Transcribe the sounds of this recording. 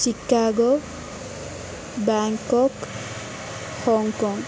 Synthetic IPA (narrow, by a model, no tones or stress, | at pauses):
sikːaɡɔ | baŋkɔk | hɔŋkɔŋ